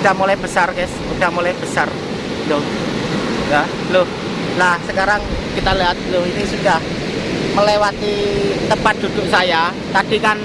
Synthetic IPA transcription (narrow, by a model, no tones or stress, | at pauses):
d̥ahmolɛhb̥əsarkɛsud̥a̤hmolɛhb̥əsar | lʊh | ja | lʊh | lahsəkaɾaŋkit̪aliɦat̪̚lʊhinisud̥ah | məlewat̪it̪əpat̪̚d̥̪ud̥̪ʊʔsaja | t̪ad̥ikan